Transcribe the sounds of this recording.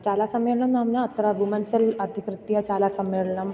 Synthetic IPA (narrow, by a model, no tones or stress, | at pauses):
t͡ɕalasəmeɭɳəmnamnat̪əɾabʱumənsəlad̪ʱikɾɪt̪ːijat͡ɕalasəmːeɭɳəm